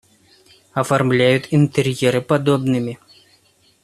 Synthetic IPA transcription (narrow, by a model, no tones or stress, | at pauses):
ɐfarmlʲajut̪ʲint̪ɛɾjɛɾɨpad̪ɔbnɨmʲi